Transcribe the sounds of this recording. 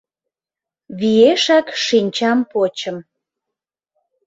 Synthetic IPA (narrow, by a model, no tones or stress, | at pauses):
βieʃɑkʃinʲt͡ɕɑmpot͡ɕəm